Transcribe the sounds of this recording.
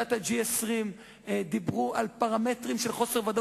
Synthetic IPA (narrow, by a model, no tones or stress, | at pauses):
at̪had͡ʒiesʁim | d̪ibʁuʔalpaʁametʁimʃelχo̞seʁvad̪o